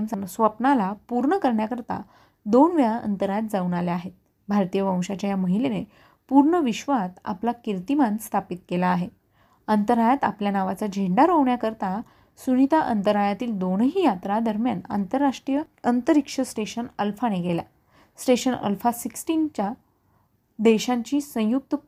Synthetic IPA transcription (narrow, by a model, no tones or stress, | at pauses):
msəsʋəpnalapuɾɳəkəɾɳjakəɾt̪a̰ | d̪onʋjaə̰nt̪əɾajat̪̚d͡zauɳaleaɦet̪̚ | bʱaɾt̪ijəʋə̃w̃ɕat͡ɕjajaməɦilene | puɾɳəʋiɕʋat̪a̰plakiɾt̪imãnst̪ʰapit̪̚kelaːɦe | ənt̪əɾajat̪a̰pljanaʋat͡sad͡ʑʱeɳɖaɾɦoʋɳjakəɾt̪a | sunit̪aʔənt̪əɾajat̪iːld̪onɦiːjat̪ɾad̪əɾmjana̰nt̪əɾaʂʈɾijəənt̪əɾikʂəsʈeɕənəlfaneɡela̰ | sʈeɕənə̰lfasiksʈint͡ɕa | d̪eɕãɲt͡ɕiːsə̃juk̚t̪ə